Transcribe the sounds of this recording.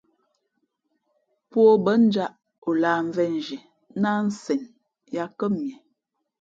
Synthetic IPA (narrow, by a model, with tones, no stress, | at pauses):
pwo˦bə˦n̩˦d͡ʒa˦ʔ | o˨laː˨ɱ˨vɛ˦n˨d͡ʒɛ˨ | na˦n̩˦sɛ˨n | ja˦kə˦mmjɛ˨